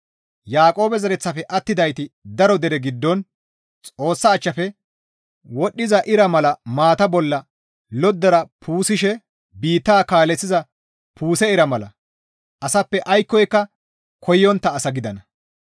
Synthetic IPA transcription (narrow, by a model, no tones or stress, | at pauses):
jaːkʼo̞ːbɛzɐɾɛt͡sːɐfɛʔɐt̪ːɪd̪ɐjt̪ɪd̪ɐɾɔd̪ɛɾɛɡɪd̪ːɔn | t͡sʼo̞ːsːɐːt͡ʃːɐfɛ | wɔɗːɪzɐʔɪɾɐmɐlɐmaːt̪ɐbɔlːɐ | lɔd̪ːɐɾɐpʰuːsɪʃɛ | biːt̪ːaːkaːlɛt͡sːɪzɐ | pʰuːsɛɪɾɐmɐlɐ̰ | ɐsɐpːɛʔɐjkːɔjkːɐ | kʰɔjːɔnt̪ːɐːsɐɡɪd̪ɐnɐ